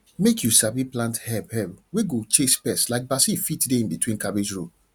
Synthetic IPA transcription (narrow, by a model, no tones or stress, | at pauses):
mekʰjusabiplãnthɛbhɛbweɡot͡ʃespɛslaɪk̚basifitdeĩnbitwĩnkabed͡ʒɹo